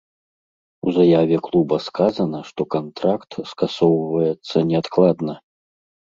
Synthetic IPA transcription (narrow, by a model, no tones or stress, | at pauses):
uzajavʲɛklˠubɐskazɐnɐʂt̪ɔkant̪ɾakt̪skasɔwvɐjɛt̪sːɐnʲɛat̪klˠad̪nɐ